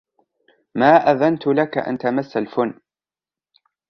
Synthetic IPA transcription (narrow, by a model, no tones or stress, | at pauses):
maːʔaðant̪ʊlakaʔa̰nt̪amasːalfʊnː